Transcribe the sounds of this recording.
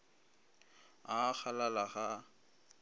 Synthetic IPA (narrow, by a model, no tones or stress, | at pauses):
ak͡xʰalalaχa